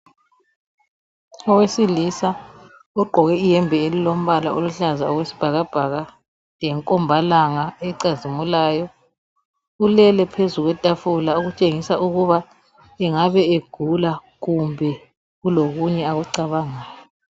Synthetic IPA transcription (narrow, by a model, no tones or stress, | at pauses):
ɔwesilisa | ɔɡ͡ǃʱɔɣɛijɛmbʱɛelilom̩βalaʔoluɬazaɔɣwesi̥b̥ʱaɣab̥ʱaɣa | ɛŋkʼɔmbʱalaŋaɛǀazimulaːjɔ | ulɛlɛpʰezuɣwɛtʼafulauɣut͡ʃʼeŋisaʔuɣuβa | ɛŋaβɛeɡ̥ʱula | ɣumbʱɛ | ɣuloɣuɲɛaɣuǀaβaŋaːjɔ